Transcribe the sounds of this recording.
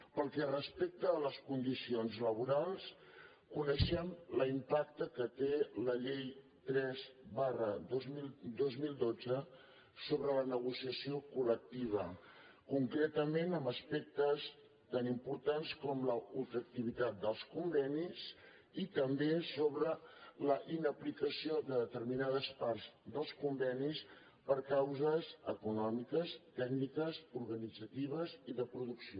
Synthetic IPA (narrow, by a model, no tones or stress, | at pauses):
pəlˠkɛrəspek̚t̪əːləskund̪isionzləβ̞uɾalˠs | kunəʃɛmləimpak̚t̪əkət̪eləʎej | t̪ɾɛzβarəozmild̪ozmilˠd̪od͡zə | soβɾələnəɣusiəsiokulək̚t̪iβ̞ə | kuŋkɾɛt̪əmenəməspɛk̚t̪əs | t̪animpuɾt̪anskɔmləufək̚t̪iβit̪at̪̚d̪əlˠskumbɛnis | it̪əmbesoβɾələʔinəplikəsiod̪əðət̪əɾminaðəspaɾzd̪əlˠskumbɛnis | pəɾkawzəsəkunɔmikəst̪ɛɡnikəsuɾɣənid͡zət̪iβ̞əziðəpɾuðuksio